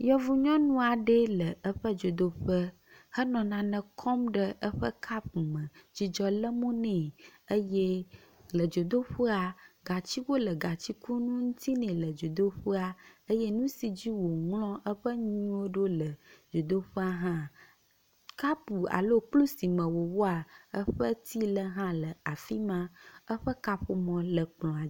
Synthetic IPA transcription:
jɔ˦vu˦ɲɔ̃˦nũ˦a˨ɖe˦lə˨ʔə˦ɸə˦d͡ʒo˨d̪o˦ɸə˦ | hə˦nɔ̃˨nã˨nɛ̃˨kʰɔ˦mɖə˦ʔə˦ɸə˦kʰa˦p̚mə̃˨d͡ʑi˦d͡ʒɔ˦lə˦mõ˦nɛ̃˨ə˦jɛ˦lə˨d͡ʒo˨d̪o˦ɸu˦a˨ɡa˨t͡ɕi˦wo˦lə˨ɡa˨t͡ɕi˦ku˦nũ˦ŋũ˦t̪ʰi˦nɛ̃˨lə˨d͡ʒo˨d̪o˦ɸu˦a˨ə˦jɛ˦nũ˦si˨d͡ʑi˦wo˨ŋlɔ̃˦ʔə˦ɸə˦ɲ̃ĩ˦wo˦ɖo˦lə˨d͡ʒo˨d̪o˦ɸu˦a˦ɦã˦ | ka˦pu˨a̰˨lo˦k͡plu˦si˨mə̃˨wo˨wo˦a˨ə˦ɸə˦t̪ʰi˦lə˦ɦã˦lə˨a˨fi˦mã˦ə˦ɸə˦ka˦ɸu˦mɔ̃˨lə˨k͡plɔ̃˨a˨˦

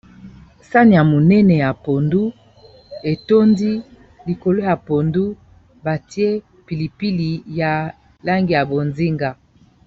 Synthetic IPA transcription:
sa˦ni˨ja˨mo˨nɛ˦nɛ˨ja˨po˨ndu˦ | e˨to˦ndi˦ | li˨ko˨lo˦ja˨po˨ndu˦ | ba˨ti˦e˦ | pi˨li˨pi˦li˨ja˨ | la˦ŋɡi˨ja˨bo˨nzi˦ŋɡa˨

